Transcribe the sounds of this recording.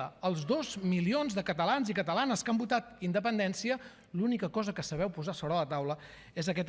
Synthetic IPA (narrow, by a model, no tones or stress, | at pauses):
əəlˠzd̪ozmilionzðəkət̪əlanzikət̪əlanəskəmbut̪at̪ind̪əpənd̪ɛnsiə | lunikəkɔzəkəsəβɛwpuzasɔβɾəːlət̪awlə | ezəkɛt̪